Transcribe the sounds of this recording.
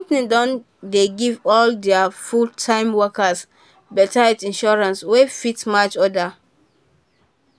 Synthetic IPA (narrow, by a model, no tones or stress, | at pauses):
kɔ̃mpĩdɔ̃n | deɡivɔldɛafultʰãɪ̃mwɔkas | bɛtaɛtĩnʃɔɹãnswefitmat͡ʃɔda